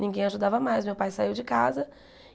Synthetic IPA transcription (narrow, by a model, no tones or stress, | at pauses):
nʲĩŋɡẽj̃aʒud̪avɐmajsmewpajsaiwd͡ʒɪkazɐ